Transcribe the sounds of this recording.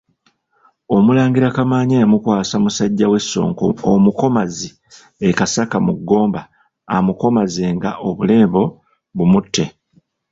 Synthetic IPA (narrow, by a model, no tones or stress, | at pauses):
o̞mulaːŋɡiɾakamaːɲejamukwaːsamusaɟːawe̞sːo̞̰ːŋko̰omuko̞mazi | e̞kasakamuɡːo̞ːmba̰ː | muko̞maze̞ːŋɡaʔo̞βule̞ːbo̞ | βumutːe̞